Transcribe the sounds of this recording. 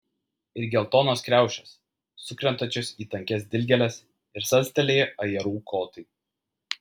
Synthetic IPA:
ɪɾɡʲɛlˠt̪oːnoːskɾʲæˑʊʃʲɛsː | ʊkɾʲɛnt̪ɐt͡ʃʲʊsiːt̪ɐŋʲkʲɛsd̪ʲɪlʲɡʲɛlʲɛs | ɪɾsɐlʲsʲt̪ʲɛlʲeːjɛʔɐjɛɾuːkʰoːt̪ɐɪ

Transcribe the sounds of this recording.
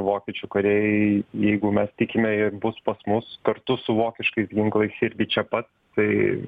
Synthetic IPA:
ʋoːkʲɛt͡ʃʲukɐɾʲeːjɛjɛɪɡʊmʲɛst̪ʲɪkʲɪmʲɛɪɾbʊspɐsmʊskɐɾt̪ʊsʊʋoːkʲɪʃkɐɪsɡʲɪŋklˠɐɪsɪɾʲɡʲɪt͡ʃʲɛpɐt̪st̪ɐɪ

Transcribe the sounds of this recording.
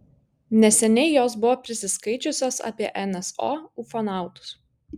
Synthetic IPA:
nʲɛsʲɛnʲɛɪjoːsbʊʋoːpʲɾʲɪsʲɪskɐɪt͡ʃʲʊsʲoːsɑ̰ːpʲiɛʔɛnɛso̰ːufɔnɑˑʊt̪ʊ̥s

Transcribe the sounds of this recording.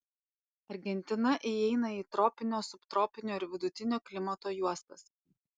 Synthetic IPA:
ɐɾʲɡʲɛnʲt̪ʲɪnɐʔiɛɪnɐiːt̪ɾɔːpʲɪnʲoːsʊpt̪ɾɔːpʲɪnʲoːɪɾʋʲɪd̪ʊt̪ʲɪnʲoːklʲɪmɐt̪oːjuɔst̪ɐs

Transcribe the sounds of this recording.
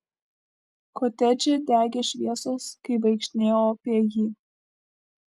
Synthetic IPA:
koːt̪ʲɛd͡ʒʲed̪ʲæːɡʲeʃʲʋʲiɛsoːskɐɪʋɐɪkʃʲt̪ʲnʲeːjoːpʲiɛjiː

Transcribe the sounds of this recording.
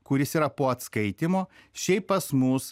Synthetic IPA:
kʊɾʲɪsiːɾɐpoːɐt̪skɐɪt̪ʲɪmoːʃʲɛɪppɐsmʊs

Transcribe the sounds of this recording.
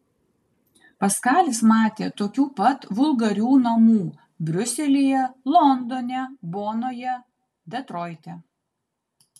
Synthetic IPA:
pɐskɑːlʲɪsmɑːt̪ʲeːt̪oːkʲuːpɐt̪ʋʊlˠɡɐɾʲuːnɐmuː | bʲɾʲʊsʲɛlʲijɛlˠɔnd̪ɔnʲɛboːnoːjɛ | d̪ʲɛt̪ɾɔːɪt̪ʲɛ

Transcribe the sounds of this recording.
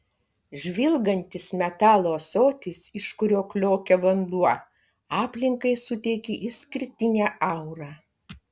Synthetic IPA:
ʒʲʋʲɪlˠɡɐnʲt̪ʲɪsmʲɛt̪ɑːlˠoːsoːt̪ʲɪsɪʃkʊɾʲoːklʲoːkʲɛʋɐnd̪ˠuɔ | ɑːpʲlʲɪŋkɐɪsʊt̪ʲɛɪkʲeʔɪsʲkʲɪɾʲt̪ʲɪnʲæːɐʊɾɑː

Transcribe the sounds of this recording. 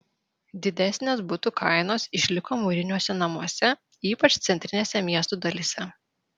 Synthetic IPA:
d̪ʲɪd̪ʲɛsʲnʲeːsbʊt̪ʊkʰɐˑɪnoːsɪʃʲlʲɪkoːmuɾʲɪnʲuɔsʲɛnɐmuɔsʲɛ | iːpɐt͡ʃt̪sʲɛnʲt̪ʲɾʲɪnʲeːsʲɛmʲiɛst̪uːd̪ɐlʲisʲɛ

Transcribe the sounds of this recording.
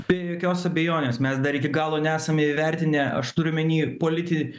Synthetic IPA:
b̥ʲeːjoːkʲoːsɐbʲɛjoːnʲeːsmʲɛsd̪ɐɾɪkʲɪɡɑːlˠoːnʲɛæːsɐmʲeiʋʲɛɾʲt̪ʲɪnʲɛɐ̰ʃt̪ʊɾʲʊmʲɪnʲiːpoːlʲɪt̪ʲɪ

